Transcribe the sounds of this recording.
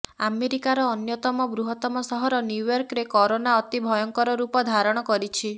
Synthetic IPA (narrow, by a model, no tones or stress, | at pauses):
ameɾikaɾɔːnjɔt̪ɔmɔbɾuɦɔt̪ɔmɔsɔɦɔɾɔnjujɔɾkɾekɔɾonaɔt̪ibʱɔjɔŋkɔɾɔɾupɔd̪ʱaɾɔɽ̃ɔkɔɾit͡ʃʰi